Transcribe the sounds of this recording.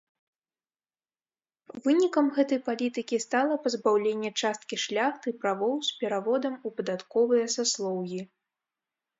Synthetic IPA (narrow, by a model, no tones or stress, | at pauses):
vɨnʲikɐmɣɛt̪ɐjpalʲit̪ɨkʲist̪alˠɐpɐzbawlʲenʲːɛt͡ʂast̪̚kʲiʂlʲaxt̪ɨpɾavɔwspʲɛɾavɔd̪ɐmupɐd̪at̪kɔvɨjɐsaslˠɔwɣʲi